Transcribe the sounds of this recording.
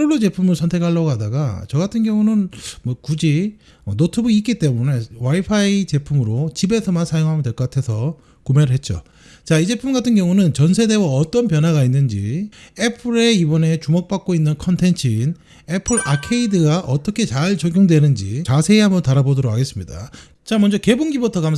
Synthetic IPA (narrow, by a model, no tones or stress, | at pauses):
ɾoɭːot͡ɕe̞pʰumɯɭsʰʌntʰe̞kʰaɭːʌɡɦadaɡa̰t͡ɕʌɡatʰɯnɡjʌŋunɯnmwʌkud͡ʑi | ʌnotʰɯbuik͈it͈e̞mune̞waipʰait͡ɕe̞pʰumɯɾot͡ɕibe̞sʰʌmansʰajoŋɦamʌndwe̞ɭk͈ʌk͈atʰe̞sʰʌ | kumeɾɯɭɦe̞t̚t͡ɕ͈o̰ | t͡ɕaid͡ʑe̞pʰumɡatʰɯnɡjʌŋunɯnt͡ɕʌnsʰe̞de̞waʌt͈ʌnpjʌnɦaɣainːɯnd͡ʑie̞pʰɯɾeibʌne̞t͡ɕumok̚p͈ak̚k͈oinːɯnkʰʌntʰe̞nt͡ɕʰin | e̞pʰɯɾakʰeidɯɡaʔʌt͈ʌkʰe̞t͡ɕaɭt͡ɕʌɡjoŋdwe̞nɯnd͡ʑḭt͡ɕasʰe̞ːɦambʌntaɾabodʌɾokʰaɡe̞s͈ɯmɲida̰ | t͡ɕamʌnd͡ʑʌke̞buŋɡibotʰʌkam